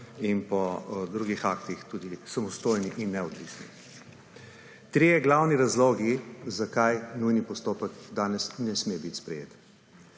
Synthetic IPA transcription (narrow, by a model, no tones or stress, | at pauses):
inpɔd̪ɾuːɡixaːkt̪ixt̪uːd̪isamɔst̪oːjniʔinːɛɔd̪ʋisnḭ | t̪ɾijɛɡlawniɾazloːɡizakajnujnipɔst̪oːpəkd̪aːnɛsnɛsmebit̪spɾɛjḛːt̪